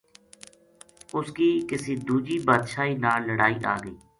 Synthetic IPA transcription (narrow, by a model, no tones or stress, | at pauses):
ʊskiːkɪsiːd̪uːd͡ʒiːbaːd̪ʃaːiːnaːləɽaːiːʔa̰ːɡəiː